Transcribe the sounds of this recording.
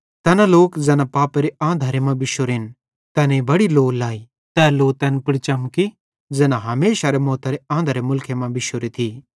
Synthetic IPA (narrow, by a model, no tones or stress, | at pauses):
t̪ɛːnaloːkd͡zɛːnapaːpeɾeʔãːd̪ʱaːɾemɐ̃bɪʃoɾɦɪn | t̪ɛːneibɐɽiloːlaːi | t̪ɛːloːt̪ɛːnpɪɽt͡ʃɐmki | d͡zɛːnãɦɐmeːʃaɾemɔːt̪aɾeãːnd̪ʱaɾemʊlkʰemɐ̃bɪʃoɾet̪ʰi